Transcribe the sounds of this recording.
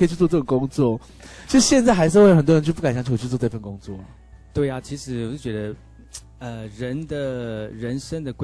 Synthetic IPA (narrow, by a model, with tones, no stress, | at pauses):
ə˧˥˨t͡ɕʰy˥˩t͡sɔ˧˥t͡sɤ˥˩ɡɔ˨˩kʊ˥˦ŋt͡swɔ˥˩ | t͡ɕʰi˧˥ʂɻ̩˧˥ɕjɛ˥˧nt͡sa˥ɪxa˧˥ɪʂ̬̩˥˧wə˨˩nt̪wt͡ɕʰpu˥˩ka˨˩nɕɑ˧˥ŋt͡ɕʰu˨˩˨t͡ɕʰwɔ˥˧˥fə˥˩nkʊ˥ŋt͡swɔ˥˩ə˩ | t̪we˥˩ɪa˨t͡ɕʰi˧˥ʂɻ̩˧˥wɔ˨˩ʂ̩˥˩t͡ɕɥɛ˧˥d̪ə˧˦ | ə˧˩ɻə˧˥nd̪ə˨ɻə˧˥nʂə˥ŋd̪ə˨kw